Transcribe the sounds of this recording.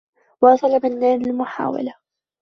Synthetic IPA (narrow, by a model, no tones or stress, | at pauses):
wɑːsˤɑlamɪnːaːnalmʊħa̰ːwa̰la